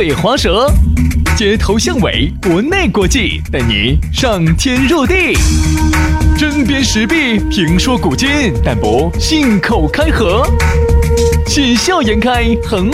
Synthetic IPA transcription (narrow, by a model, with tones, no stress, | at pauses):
xwɑ˧˥ʂɤ˧˥t͡ɕjɛ˧˥t̪ʰo˧˥ʊɕjɑ˥˩ŋwḛ˧˥ɪkwɔ˧˥ne˥˩ɪkwɔ˧˥t͡ɕi˥˧ | t̪a˥˩ɪnḭ˨˩˦ | ʂɑ˥˧ŋt̪ʰjɛ˥nɻɤ˥˧t̪i˥˩ | ʈ͡ʂə˥npjɛ˥nʂɻ̩˧˥pi˥˩pʰi˧˥ŋʂwɔ˥ku˨˩t͡ɕi˥nt̪a˥˩npɔ˧˥ | ɕi˥˩nkʰo˨˩ʊkʰa˥ɪxɤ˧˥ | ɕi˥˧nɕjɑ˥˩ʊjɛ˧˥nkʰa˥ɪxə˨˩n